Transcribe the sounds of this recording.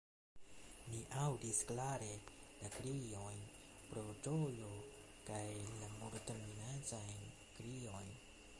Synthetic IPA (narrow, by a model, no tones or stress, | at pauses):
miʔawdisklaɾelakɾiojn | pɾod͡ʒojo | kajlamoɾtaminad͡ʒajn | kɾijojn